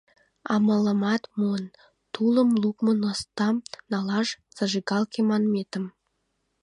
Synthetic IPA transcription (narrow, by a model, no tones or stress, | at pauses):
ɑmələmɑt̪mun | t̪uləmlukmənost̪ɑmnɑlɑʒ | t͡səʒiɡɑlkemɑnmet̪əm